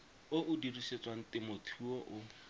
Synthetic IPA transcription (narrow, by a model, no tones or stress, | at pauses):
ʊʔʊdiriset͡sʼwaŋ̩tɪmʊtʰuɔʔʊ